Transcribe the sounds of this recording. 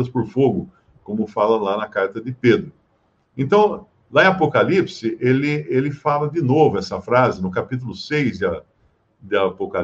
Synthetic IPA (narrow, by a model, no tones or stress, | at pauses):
ɐspoɾfoɡʊ | kõmʊfalɐlanɐkaɾt̪ɐd̪ɪped̪ɾʊ | ẽnt̪ɐ̃w̃ | laẽapokalipsɪʔelɪelɪfalɐd̪ɪnovʊɛsɐfɾazɪnʊkapit̪ʊlʊsejzd̪ɪɐ | d̪ɪapoka